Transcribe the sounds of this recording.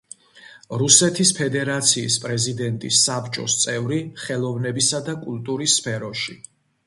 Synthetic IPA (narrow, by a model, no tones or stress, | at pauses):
ɾusɛt̪ʰispʰɛd̪ɛɾat̪sʰḭːspʼɾɛzid̪ɛnt̪ʼisːapt͡ʃʼɔst̪sʼɛvɾiχɛlˠɔvnɛbisad̪akʼulˠt̪ʼuɾisːpʰɛɾɔʃi